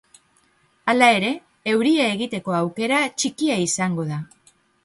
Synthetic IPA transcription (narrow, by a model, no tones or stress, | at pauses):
alae̞ɾe̞ː | wɾiaeɣit̪e̞ko̞awke̞ɾat͡ʃikiaisaŋɡo̞ða